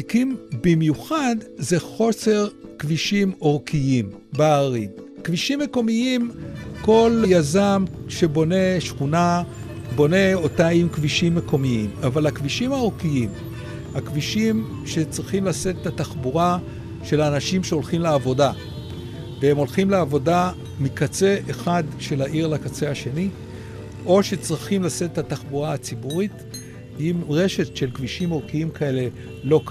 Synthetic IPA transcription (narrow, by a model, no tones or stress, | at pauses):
ikimbimjuχad̪ze̞χo̞se̞ʁkviʃimo̞ʁkʰiim | beaʁinkviʃimːeko̞miimko̞ljazamʃe̞bo̞ne̞ʃχuna | bo̞ne̞o̞taimkviʃimːeko̞miimavalhakviʃimhao̞ʁkiim | hakviʃim | ʃe̞t͡sʁiχimlaset̪et̪ataχbuʁa | ʃe̞lanaʃimʃeo̞lχimleavo̞da | vehemo̞lχimleavo̞da | mikat͡se̞ʔeχadʃe̞laʔiʁlakat͡se̞haʃe̞ni | ʔo̞ʃet͡sʁiχimlaset̪et̪ataχbuʁahat͡sibuʁit | imʁe̞ʃe̞tʃe̞lkviʃimʁokiimkae̞le̞ | lo̞k